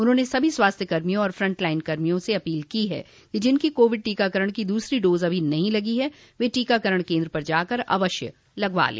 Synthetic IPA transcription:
ʊnɦõːnesɐbʱiswaːst̪ʰjəkɐɾmijõɔːɾfɾɐ̃ɳʈlaːɪnkɐɾmijõseɐpiːlkiɦɛ̰ː | kid͡ʒɪnkikoːʋɪɖ̚ʈiːkakəɾəɽ̃kid̪uːsɾiɖoːzɐbʱinɐɦĩlɐɡiɦɛ | ʋeːʈiːkakɐɾəɽ̃kẽːnd̪ɾəpɐɾd͡ʒaːkɐɾɐ̰ʋəʃjə | lɐɡʋa̰ːlḛː

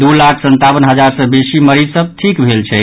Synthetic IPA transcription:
d̪ulakʰsənt̪abənɦəd͡ʒaɾsəbesiməɾisəb̚t̪ʰikbʱelt͡ʃʰɛ

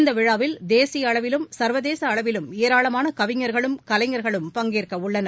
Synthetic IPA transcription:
nd̪ɐʋɪɻaːʋɪld̪eːsɪjɐːɭɐʋɪlɯmsɐɾʋɐðeːsɐːɭɐʋɪlɯmɛjɐɾaːɭɐmaːnɐkɐʋɪŋːɐɾɣɐɭɯmkɐlɐɪŋːɐɾɣɐɭɯmpɐŋɡeːrkɐʊɭːɐnɐ

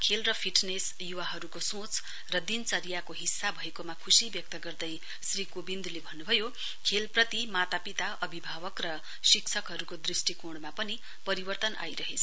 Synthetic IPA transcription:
kʰelrʌpʰiʈnes | juwaɦʌɾukosõt͡s | rʌd̪int͡sʌɾijakoɦisːabʱʌekomakʰusibjʌk̚t̪ʌɡʌrd̪ʌj | srikobind̪ulebʱʌnːubʱʌjo | kʰelprʌt̪imat̪apit̪aʔʌbʱibʱabʌkrʌ | siksʰʌkɦʌɾukod̪risʈikoɽmapʌni | pʌɾibʌrt̪ʌnʔa̰jɾʌɦet͡sʰʌ

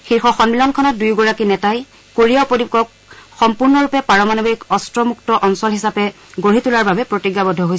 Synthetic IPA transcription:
xiɹxɔxɔnbilɔnkʰɔnɔt̚dujɡɔɹakinɛtaj | koɹijawpodikɔk | xɔmpuɹnɔɹupɛpaɹɔmanobikɔstɹɔmuktɔʔɔnsɔlɦisapɛ | ɡoɹitulaɹbabɛpɹotiɡjabɔdʱːɔɦojs

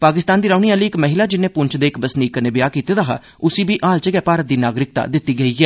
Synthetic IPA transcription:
paːkɪst̪aːnd̪iːɾaːniːaːliːɪkməɦɪlaːd͡ʒɪnːẽːpʊɲt͡ʃʰd̪eːkbəsniːkənɪbjaːkiːt̪eːd̪aːɦa̰ː | ʊsiːbiːʔaːlt͡ʃəɡɛːpaːɾət̪̚d̪iːnaːɡɾɪk̚t̪a̰ːd̪ɪt̪ːiːɡəiːɡɛː

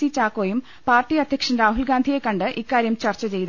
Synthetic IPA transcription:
it͡ɕaːkːoːjum | paːrʈːiɐd̪ʱjɐkʂɐnɾaːɦulɡaːnd̪ʱije̞kːɐɳɖɨʔikːaːɾjɐmt͡ɕɐrt͡ɕːɐt͡ɕe̞jt̪

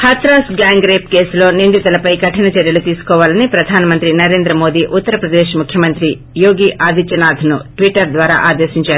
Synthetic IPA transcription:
hɐt̪ɾaːsɡaːŋɡɾeːp̚ke̞ːslo̞ːnind̪it̪ɐlɐpɐjkɐʈinɐt͡ʃɐɾjɐlut̪iːsu̥kɔːʋaːlɐnipɾɐd̪ʱaːnɐmɐnt̪ɾinɐɾe̞ːnd̪ɾɐmo̞ːd̪iːʔut̪ːɐɾɐpɾɐd̪eːʃmukʰjɐmɐnt̪ɾi | joːɡiːʔʔaːd̪ʱit͡ʃɐnaːd̪ʱɐnuʈʋiʈɐɾd̪ʋaːɾa̰ːʔaːd̪eːʃiɲt͡ʃaːɾu

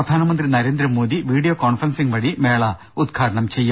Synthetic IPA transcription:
ɐd̪ʱaːnɐmɐnd̪rinɐɾe̞ːnd̪ɾɐmo̞ːðiʋiːɖijoːkoːɳfɐrɐnsiŋʋɐɽime̞ːɭɐ | ud̪ɡʱaːʈɐɳɐmt͡ɕe̞jːum

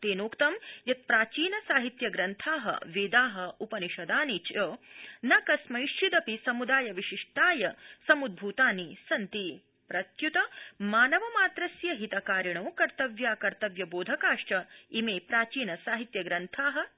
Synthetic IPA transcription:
t̪eːnoːkt̪ɐmjɐt̪̚pɾaːt͡ʃiːnɐsaːɦit̪jɐɡɾɐnt̪ʰaːɦɐ̰ʋeːd̪aːɦɐupɐniʃɐd̪aːnit͡ʃɐnɐkɐsmɐjʃt͡ʃid̪ɐpisɐmud̪aːjɐʋiʃiʂʈaːjɐsɐmud̪̚bʱut̪aːnisɐnt̪i | pɾɐt̪jut̪ɐmaːnɐʋɐmaːt̪ɾɐsjɐɦit̪ɐkaːɾiɳɐwkɐɾt̪ɐʋjaːkɐɾt̪ɐʋjɐboːd̪ʱɐkaːʂʈɐimeːpɾaːt͡ʃiːnɐsaːɦit̪jɐɡɾɐnt̪ʰaːɦɐ̆

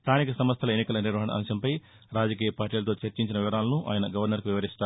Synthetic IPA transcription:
st̪ʰaːnikɐsɐmɐst̪ʰɐlɐenːikɐlɐniɾʋɐɦɐɳɐ̰ʔɐ̰mʃɐmpɐj | ɾaːd͡ʒɐk̬iːjɐpaːɾʈiːlɐt̪̬o̞ːt͡ʃɐɾt͡ʃiɲt͡ʃinɐʋiʋɐɾaːlɐnuʔa̰ːjɐnɐɡɐʋɐɾnɐɾkuʋiʋɐɾist̪aː

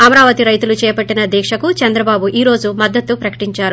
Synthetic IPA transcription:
ɐmɐɾaːʋɐt̪iɾɐjt̪ulut͡ʃɛːpɐʈːinɐd̪ɛːkʂɐkut͡ʃɐnd̪ɾɐbaːbuʔiːɾo̞ːd͡ʒumɐd̪ːɐt̪ːupɾɐkɐ̥ʈiɲt͡ʃaːɾu

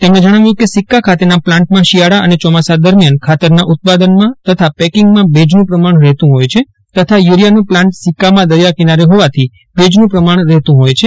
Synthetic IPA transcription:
t̪emɽẽd͡ʒəɽ̃aʋjũkesikːakʰat̪enaplãɳʈ̚mãʃijaɽaʔənet͡ʃɔmasad̪əɾmjankʰat̪əɾnaʔut̪̚pad̪ənmãt̪ət̪ʰapɛkɪŋɡmãbed͡ʒnũpɾəmaɳɾɛɦt̪ũɦojt͡ʃʰe | t̪ət̪ʰajuɾijanũplãɳʈsɪkːamãd̪əɾjakinaɾeɦoʋat̪ʰi | bed͡ʒnũpɾəmaɳ̃ɾɛɦt̪ũɦojt͡ʃʰe

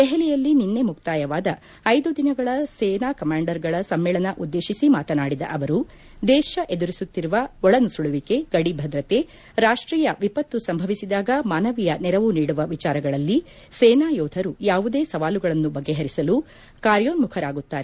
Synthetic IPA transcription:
d̪ɛɦɛlijɐlːininːe̞mukt̪aːjɐʋaːd̪ɐ | ɐjd̪ud̪inɐɡɐɭɐseːnaːkɐmaːɳɖɐɾɡɐɭɐsɐmːeːɭɐnɐʔud̪ːe̞ːʃisimaːt̪ɐnaːɽid̪ɐ̰ʔɐʋɐɾu | d̪ɛːʃɐʔe̞d̪uɾisut̪ːiɾuʋɐɔɭɐnusuɭuʋike̞ɡ̥ɐɽibʱɐd̪ɾɐt̪e̞ | ɾaːʂʈɾiːjɐʋipɐt̪ːusɐmbʱɐʋisid̪aːɡɐmaːnɐʋijɐnɛɾɐʋuniːɽuʋɐʋit͡ʃaːɾɐɡɐɭɐlːi | sɛːnaːjɔːd̪ʱɐɾujaːʋud̪eːsɐʋaːluɡɐɭɐnːubɐɡːe̞ɦɐɾisɐlu | kaːɾjoːnmukʰɐɾaːɡut̪ːaːɾe

